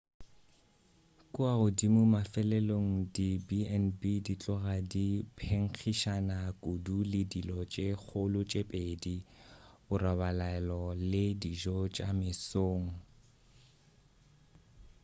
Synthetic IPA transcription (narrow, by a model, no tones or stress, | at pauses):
kʼʊaʊdimʊmafɛlɛloŋ̩dibiɛnbidit͡ɬʼɔɣadipʰeŋ̩k͡xʰiʃanakʼudulɪdilɔt͡ʃʼeχʊlʊt͡ʃʼepʼedi | ʊrabalaɛlɔlɪdiʒɔt͡ʃʼamɪsoːŋ̩